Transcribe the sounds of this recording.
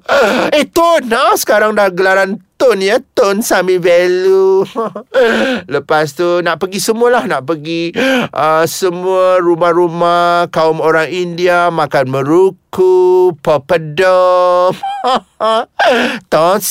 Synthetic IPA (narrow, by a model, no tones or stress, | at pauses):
ət̪ʊnasə̥kaɾaŋdaɡəlaɾant̪ʊnjət̪ʊnsamĩvɛlu | ləpast̪unaʔpəɡisəmuəlahnaʔpəɡiʔəsəmuəɾumahɾumahkaʊmoɾaŋindiamãkanmə̃ɾukupəpədəm | t̪ɔns